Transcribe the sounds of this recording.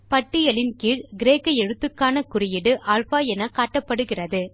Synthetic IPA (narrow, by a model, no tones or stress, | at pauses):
pɐʈːɪjɐlɪnkiːɾɡɪɾeːkːɐɛɻɯt̪ːɯkːaːnɐkʊrɪjɪɽɯʔaːlfaːɛnɐkaːʈːɐpːɐɽɯɣɪrɐðɯ